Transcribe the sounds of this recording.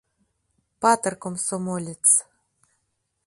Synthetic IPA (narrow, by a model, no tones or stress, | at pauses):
pɑt̪ɤ̆rkomsomolʲet͡s